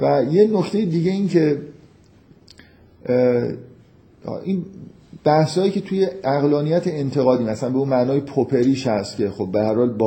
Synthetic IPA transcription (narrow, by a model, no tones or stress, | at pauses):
væjenocʰt̪ʰejid̪iːɟeiːncʰe̞ | ʔin | b̥æhshɒːjiːcʰe̞t̪ʰujeæɣlɒːnijæt̪ʰeent̪ʰeɣɒːd̪iːmæsænbeuːnmæʔnɒːjepʰopʰe̞ɾiːʃhæst̪cʲʰe̞xob̚ːehæɾhɒːlb